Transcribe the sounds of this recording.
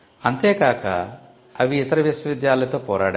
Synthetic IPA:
ɐnt̪eːkaːkɐ̰ | ɐʋiːt̪ɐɾɐʋisʋɐʋid̪jaːlɐt̪oːpɔːɾa̰ːɽ

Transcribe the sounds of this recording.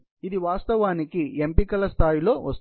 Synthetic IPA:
id̪iʋaːst̪ɐʋaːnikiempikɐlɐst̪ʰaːjilo̞ːʋɐst̪

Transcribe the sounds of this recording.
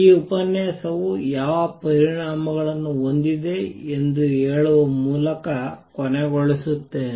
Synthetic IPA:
iːupɐnjɐsɐʋujaːʋɐpɐɾiɳaːmɐɡɐɭɐnːuond̪id̪e̞end̪ueːɭuʋɐmuːlɐkɐkɔneɡɔɭesut̪ːe

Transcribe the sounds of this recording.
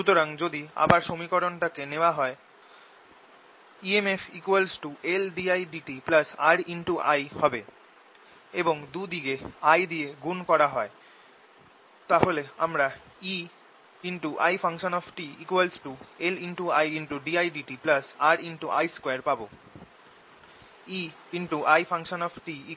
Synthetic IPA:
ʃut̪oɾaŋd͡ʑod̪ia̰baɾʃomikɔɾonʈakeneoaɦɔe | iemefʰikuelsʈuʔelɖiajɖiʈiplasaɾiɳʈuʔa̰jhɔbe | eboŋd̪ud̪iɡeajd̪ieɡunkɔɾaɦɔe | t̪aɦoleamɾa | i | iɳʈuʔajfʰaŋʃonɔfʈiikualsʈueliɳʈuajiɳʈuɖiajɖiʈiplasaɾiɳʈuʔa̰jskweaɾpabo | i | iɳʈuʔajfʰaŋʃonɔfʈii

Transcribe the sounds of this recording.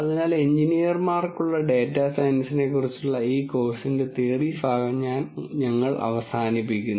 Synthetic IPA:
ɐðinaːleɲd͡ʑinijɐrmaːrkːuɭːɐɖe̞ːtːasɐjnɐsine̞kːurit͡ɕːuɭːɐiːko̞ːsinde̞t̪eːribʱaːɡɐmɲaːnɲɐŋːɐɭɐ̰ʋɐsaːnipːikʲːunː

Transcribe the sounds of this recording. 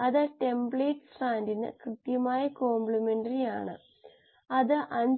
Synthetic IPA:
ɐðɨʈe̞mbɭeːʈːsraːndinɨ̰krɨt̪jɐmaːjɐko̞ːmbɭimeɳɖɐrija̰ːɳɨ̰ | ɐðɨʔɐɲ

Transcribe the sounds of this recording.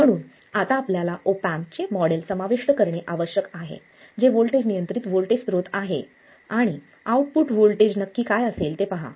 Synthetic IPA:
m̤əɽ̃uːn | at̪aːpljalaʔopampt͡ɕemɔɽelsəmaʋiʂʈəkəɾɳeʔaʋəɕjəkaɦḛ | d͡ʑeʋolʈed͡ʑnijənt̪ɾit̪ʋolʈest̪ɾot̪aɦe | aɽ̃i | auʈ̚puːʈʋolʈed͡ʑnəkːiːkajəselt̪epəɦa̰

